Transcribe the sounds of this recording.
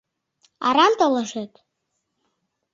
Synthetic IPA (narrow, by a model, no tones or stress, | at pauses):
a̰ɾantʼalaʐetʼ